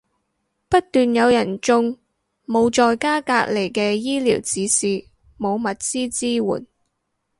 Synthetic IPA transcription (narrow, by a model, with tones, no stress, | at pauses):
pɐ˥t̚t̪yː˨njɐ˨˧wjɐ˨˩nt͡sʊ˧ŋ | mo˨˧wt͡ʃɔː˨˧jkaː˥kaː˧k̚le˨˩jkɛː˧jiː˥lḭː˨˩wt͡siː˨˥siː˨ | mo˨˧wmɐ˨t̚t͡siː˥t͡siː˥wṵː˨˩n